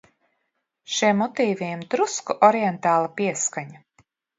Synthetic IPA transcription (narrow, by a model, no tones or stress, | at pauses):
ʃiɛmːɔt̪iːvimt̪ɾuskɔʔɔɾijent̪aːlˠapiɛskaɲa